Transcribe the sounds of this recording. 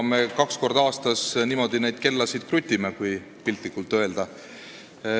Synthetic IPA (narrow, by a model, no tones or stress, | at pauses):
me̞kɑksko̞rd̪ɑːst̪ɑsniːmo̞d̪̥ine̞jd̪̥̚ke̞lːɑsid̪̥̚krut̪ʲːˑimekuj | pilt̪likːˑult̪ːˑø̞e̞ld̪̥ɑ